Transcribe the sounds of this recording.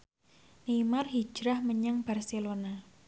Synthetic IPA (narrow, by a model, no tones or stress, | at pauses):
nemarɦi̥d͡ʒ̥ɾahməɲaŋb̥arselona